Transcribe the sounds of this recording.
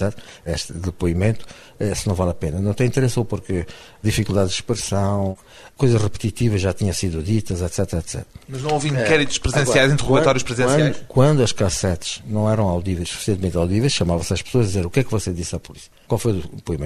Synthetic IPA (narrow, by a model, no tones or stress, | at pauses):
ɛt̪ɾɛʃt̪ɐðɨɐpoimẽnt̪u̥ | ɛsɨnɐ̃w̃valˠɐpenɐnɐ̃w̃t̪ẽĩt̪ɾesopuɾkɨðifikulˠd̪aðʒd̪ɨʃpɾɨsɐ̃w̃ | kojzɐʒʁɨpt̪it̪ivɐʒat̪iɲɐ̃siðuðit̪ɐzɛt̪sɛt̪ɾɐɛt̪sɛ̰t̪ɾɐmɐʒnɐ̃w̃ovĩkɛɾit̪u̥ʃpɾɨzẽsiajzĩnt̪ɨʁuɣɐt̪ɔɾjuʃpɾɨziẽsdj̪ʃkwɐ̃nd̪uɐʃkasɛt̪ʒ̥nɐ̃w̃ɛɾɐ̃w̃awðivɐjʃsu̥fi̥siẽt̪mẽnt̪awðivejʃɐmavɐ̃sɐʃpɨ̥soɐʒd̪izeɾukɛkvaseðisapɔɾisu̥kwalˠfojpoimẽ